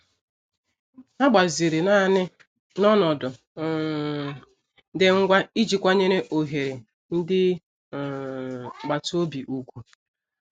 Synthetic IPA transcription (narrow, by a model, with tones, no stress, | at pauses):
a˦ɡ͡ba˨zi˨ɾɪ˨na˦nɪ˦ | nɔ˦nɔ˨dʊ˨ | dɪ˦ŋ̩˦ɡʷa˦i˦d͡ʒi˨kʷa˦ɲe˦ɾe˦ʔo˨ɦe˨ɾe˨ | n̩˦dɪ˦˨ | ɡ͡ba˨to˦bi˨ʔu˨kʷu˨